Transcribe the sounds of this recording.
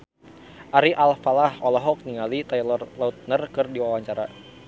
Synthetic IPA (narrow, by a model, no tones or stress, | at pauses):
ʔaɾiʔalfalahɔlɔɦɔk̚niŋalit̪ajlɔrlaut̪̚nərkɨrdiwawaɲt͡ʃaɾa̰